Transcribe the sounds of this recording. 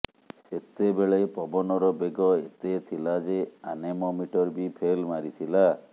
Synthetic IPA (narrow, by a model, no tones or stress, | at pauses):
set̪ebeɭepɔbɔnɔɾɔbeɡɔet̪et̪ʰilad͡ʒeanemɔmiʈɔɾbipʰelmaɾit̪ʰila